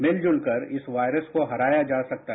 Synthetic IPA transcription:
mɪld͡ʒʊɽkəɾɪsʋaːɾəskoɦɐɾaːjad͡ʒaːsɐk̚t̪aː

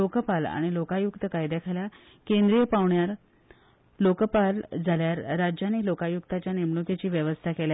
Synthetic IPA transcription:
lokəpala̰ɽ̃ilokajukt̪əkajd̪ekʰajla | kend̪ɾijəpaʋɳjaɾ | lokəpald͡zʱaljaɾːad͡ʑjanilokajukt̪at͡ɕjanemɳ̃ukjet͡ɕiːʋjəʋəst̪ʰakelja

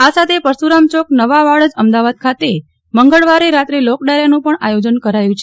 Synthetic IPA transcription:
asat̪ʰepəɾsuɾamt͡ʃok̚nəʋaʋaɭəd͡ʒəmd̪aʋad̪̚kʰat̪e | məŋɡəɭʋaɾeɾat̪ɾelokɖaɾjanũpəɳajod͡ʒənkəɾajũt͡ʃʰe

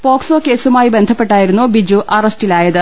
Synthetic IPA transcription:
po̞ːksoːke̞ːsumaːjibe̞nd̪ʱɐpːe̞ʈːaːjiɾunːubid͡ʑuʔɐrɐstilaːjɐðɨ

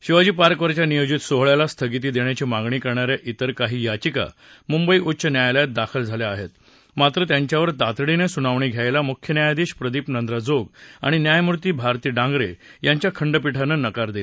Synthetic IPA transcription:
ɕiʋad͡ʑiːpaɾkʋəɾt͡ɕjanijod͡ʑit̪soɦɭjalast̪ʰəɡit̪iːd̪eɳ̃jat͡ɕiːmaɡɳiːkəɾɳaɾjaʔit̪əɾkaɦiːjat͡ɕika̰ | mumbəiʔutːɕənjajljat̪̚d̪akʰəld͡zʱaljaɦet̪ | mat̪ɾət̪jaɲt͡ɕjaʋəɾt̪at̪ɽinesunaʋɳ̃iːɡʱjajlamukʰjənjajad̪iɕpɾəd̪iːpnənd̪ɾad͡zoɡa̰ɽ̃injajmuɾt̪iːbʱaɾt̪iːɖãŋɡɾejaɲt͡ɕjakʰəɳɖəpiʈʰanənəkaɾd̪ele

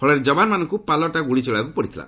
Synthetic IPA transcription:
pʰɔɭɔɾed͡ʒɔbanmanɔŋkupalɔʈaɡuɭit͡ʃɔɭiakupɔɽit̪ʰila̰

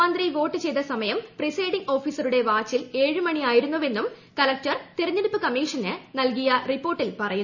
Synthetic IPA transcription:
aːnd̪riʋo̞ːʈːɨt͡ɕe̞jt̪ɐsɐmɐjɐmprisɐjɖiŋɡo̞ːfiːsɐɾuɽe̞ʋaːt͡ɕːile̞ːɻɨmɐɳijaːjiɾunːuʋe̞nːum | kɐlɐk̚ʈɐrt̪iɾɐɲːeɽupːɨkɐmːiːʂɐnɨnɐlkijɐripːo̞ːrʈːilpɐrɐjun

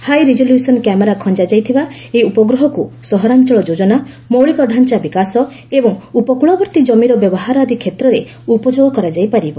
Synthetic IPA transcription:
hajɾid͡ʒoljusɔnkameɾakʰɔnd͡ʒad͡ʒajt̪ʰiba | eiupɔɡɾɔɦɔkusɔɦɔɾant͡ʃɔɭɔd͡ʒod͡ʒɔna | mowɭikɔɖʱant͡ʃabikasɔ | ebɔŋupɔkuɭɔbɔɾt̪id͡ʒɔmiɾɔbjɔbɔɦaɾɔad̪ʱikʰːet̪ɾɔɾe | upɔd͡ʒɔɔkɔɾad͡ʒajpaɾibɔ

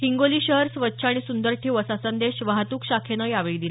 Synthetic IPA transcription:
hiŋɡoliːɕəɦəɾsʋətːɕʰəaɽ̃isund̪əɾʈʰiːwəsasənd̪eɕʋaɦat̪uːkɕakʰenəjaʋeɭid̪il

